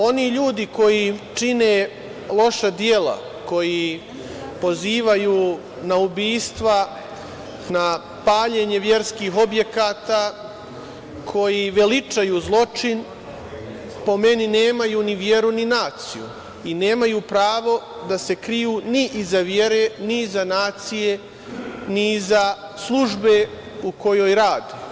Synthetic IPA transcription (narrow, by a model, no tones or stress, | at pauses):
o̞niːʎuːd̪iko̞jit͡ʂineː | lˠo̞ʃad̪jeːla̰ | ko̞ji | po̞ziːʋajuː | naubiːst̪ʋa | na | paːʎe̞ɲe̞ʋje̞ɾskiːɦo̞bje̞kaːt̪aː | kʰo̞jiʋe̞lit͡ʂajuːzlˠo̞t͡ʂin | po̞me̞nine̞ːmajuːniʋje̞ɾuninaːt̪sḭjṵ | ine̞ːmajuːpɾaːʋo̞ | d̪ase̞kɾijuːniʔizaʋje̞ɾenizanaːt̪sije̞ | niza | slˠuʒbe̞ | uko̞joːjɾaːd̪e